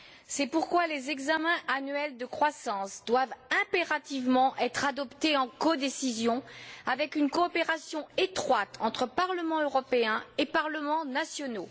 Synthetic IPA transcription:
sɛpuʁkwalezɛɡzamɛ̃ʔanɥɛld̪əkχwasɑ̃sd̪wavɛ̃peʁat̪ivmɑ̃ʔɛt̪χad̪ɔpt̪eɑ̃kɔd̪esizjɔ̃avɛkynkɔːpeʁasjɔ̃et̪χwat̪ʰɑ̃t̪χəpaʁləmɑ̃øʁɔpeɛ̃epaʁləmɑ̃nasjɔno

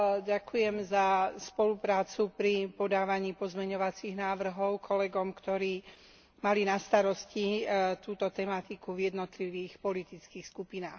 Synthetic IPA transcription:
ɟakujɛmzaspɔlupɾaːt͡supɾipɔd̪aːʋaɲiːpɔzmɛɲɔʋat͡siɣnaːʋr̩ɦɔʊkʰɔlɛɡɔmkt̪ɔɾiː | malinast̪aɾɔscit̪uːt̪ɔt̪ɛmat̪ikuvjɛd̪nɔt̪liʋiːxpɔlit̪it͡skiːxskupinaːx

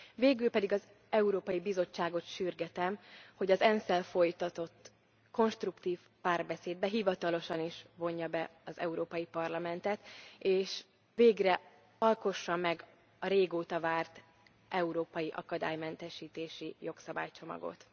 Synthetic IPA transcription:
veːɡylpɛd̪iɡɒz | ɛuɾoːpɒjibizo̞t͡ʃːaːɡo̞t̪ʃyrɡɛt̪ɛmho̞ɟɒzɛnsɛlfo̞jt̪ɒt̪o̞t̪ː | ko̞nʃt̪rukt̪iːf | paːrbɛseːd̪̚bɛɦivɒt̪ɒlo̞ʃɒniʃvo̞ɲːɒbɛɒzɛ̰uɾoːpɒjipɒrlɒmɛnt̪ɛt̪eːʃ | veːɡrɛ | ɒlko̞ʃːɒmːɛɡ | ɒɾeːɡoːt̪ɒvaːrt̪ | ʔɛuɾoːpɒjiʔɒ̰kɒd̪a̰ːjmɛnt̪ɛʃiːt̪eːʃijo̞ksɒba̰ːjt͡ʃo̞mɒ̰ɡo̰t̪

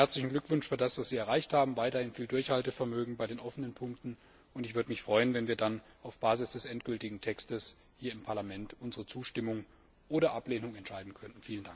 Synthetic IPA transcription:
hɛɐt͡slɪçn̩ɡlʏkv̥ʊnʃfyːɐdasv̥asz̥iːɛɐʁaɪçthaːbm̩vaɪtɐhɪnfiːldʊɐçhaltəfɛɐmøːɡŋ̩baɪdeːnʔɔfənənpʰʊŋk̚tn̩ | ʔʊntɪçv̥ʏɐdəmɪçfʁ̥ɔʏənvɛnviːɐdan | aʊfb̥aːzɪsd̥ɛsʔɛntɡ̥ʏltɪɡŋ̩tʰɛkstəs | hiːɐɪmpʰaɐlamɛntʔʊnzəʁət͡suːʃtɪmʊŋ | ʔoːɾɐʔapleːnʊŋɛntʃaɪdn̩kʰœnn̩fiːləndaŋk

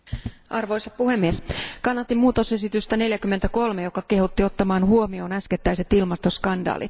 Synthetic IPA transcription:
ʔɑrʋo̞isɑpuhe̞mːieskɑnːɑt̪ːimuːt̪ose̞sit̪yst̪æne̞ljækymːe̞nt̪æko̞lmejo̞kɑke̞hut̪ːio̞t̪ːɑmɑːnhuo̞mio̞ːnæsket̪ːæjse̞t̪ilmɑst̪o̞skɑndɑ̰ːlḭt̪

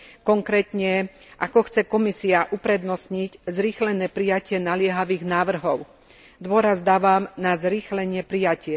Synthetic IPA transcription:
kɔŋkɾɛːt̪ɲɛʔakɔxt͡sɛkɔmisiaʔupɾɛd̪nɔsɲiɟzɾiːxlɛnɛːpɾijacɪɛnalɪɛɦaʋiːɣnaːʋr̩ɦɔʊ | d̪ʊɔɾazd̪aːʋaːmnazɾiːxlɛɲɪɛpɾijacɪɛ

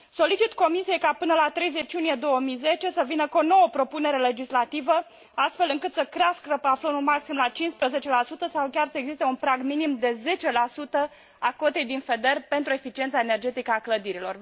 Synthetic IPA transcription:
so̞lit͡ʃit̪ko̞misije̞jkapɨnəlat̪ɾe̞jze̞t͡ʃjunije̞d̪o̞wəmijze̞t͡ʃe̞səvinəkono̞wəpɾo̞pune̞ɾe̞le̞d͡ʒislat̪ivə | ast̪fe̞lɨŋkɨt̪səkɾeaskɾəpaflənumaksimlat͡ʃinspɾəze̞t͡ʃe̞lasut̪əsawkʲarsəe̞ɡzist̪eunpɾaɡminimd̪e̞ze̞t͡ʃe̞lasut̪ə | ako̞t̪e̞jd̪infe̞d̪e̞rpe̞nt̪ɾue̞fit͡ʃient̪sae̞ne̞rd͡ʒe̞t̪ikəakləd̪iɾilo̞r

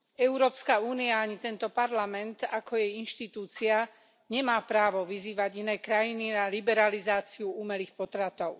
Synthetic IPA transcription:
ɛʊɾɔːpskauːniaaɲit̪ɛnt̪ɔpaɾlamɛnt̪akɔjɛjinʃt̪it̪uːt͡sia | ɲɛmaːpɾaːʋɔʋiziːʋaɟinɛːkɾajininalibɛɾalizaːt͡siuuːmɛliːxpɔt̪ɾat̪ɔʊ

